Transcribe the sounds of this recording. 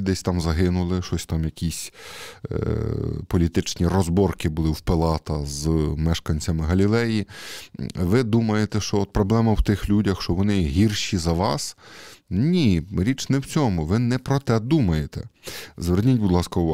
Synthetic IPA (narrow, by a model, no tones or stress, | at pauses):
d̪ɛsʲt̪ɑmzɐɦɪnʊlˠɪʃɔsʲt̪ɑmjɐkʲisʲ | pɔlʲit̪ɪt͡ʃnʲirɔzbɔrkɪbʊlˠɪwpelˠɑt̪ɐzmɛʃkɐnʲt͡sʲɐmɪɦɐlʲilˠɛji | ʋɪd̪umɐjet̪ɛʃt͡ʃɔɔt̪̚pɾɔblˠɛmɐwt̪ɪxlʲudʲɐxʃt͡ʃɔʋɔnɪɦʲirʃʲizɐʋɑs | nʲiɾʲit͡ʃnɛwt͡sʲɔmʊʋɪnɛpɾɔt̪ɛd̪umɐjet̪ɛzʋernʲitʲbʊd̪lˠɑskɐʊʋɑ